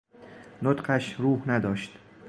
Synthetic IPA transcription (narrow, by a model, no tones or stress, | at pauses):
not̪qʰaʃɾuhnad̪ɒʃt̪